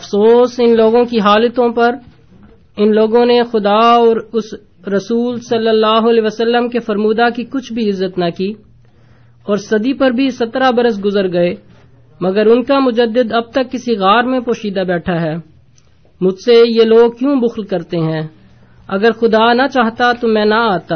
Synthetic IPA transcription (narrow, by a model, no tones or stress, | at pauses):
ɐfsoːsɪnloːɡõkiɦaːlət̪õpɐɾ | ɪnloːɡõnexʊd̪aɔːɾʊsː | ɐsuːlsɐlːəlːaːɦoɐleːʋəsəlːəmkefɐɾmuːd̪akikʊt͡ʃʰbʱiɪzːət̪nɐkiː | ɔːɾsɐd̪ipɐɾbʱisɐt̪ɾabɐɾəs̬ɡʊzəɾɡɐe | mɐɡəɾʊnkamʊd͡ʒəd̪ːɪd̪ɐb̚t̪ɐkːɪsiɣaːɾmẽpoːʃiːd̪abɛːʈʰaɦɛː | mʊd͡ʒʱsejeloːɡ̚kjũːbʊxlkɐɾt̪eɦɛ̃ː | ɐɡəɾxʊd̪aːnat͡ʃaːɦt̪at̪omɛ̃ːnɐaːt̪aː